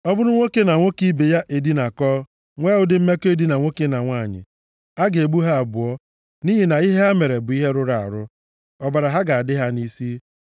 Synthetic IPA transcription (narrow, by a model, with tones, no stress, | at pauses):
ɔ˦bʊ˦ɾʊ˦ŋʷo˦ke˦na˨ŋʷo˦ki˦be˨ja˦ʔe˨di˦na˨kɔː˦ | ŋʷe˦ʊ˨dɪ˦m̩˦me˦ke˦di˦na˨ŋʷo˦ke˦na˨ŋʷa˦˨ɲɪ̰˨ | a˦ɡe˨ɡ͡bu˦ɦa˦a˨bʊ˨ɔ˦ | ni˦ɦi˨na˨i˦ɦe˦a˦me˨ɾe˨bʊ˨˦i˦ɦe˦ɾʊ˦ɾa˨a̰˨ɾʊ˦ | ɔ˦ba˨ɾa˨ɦa˦ɡa˨a˨dɪ˦ɦa˦ni˦si˦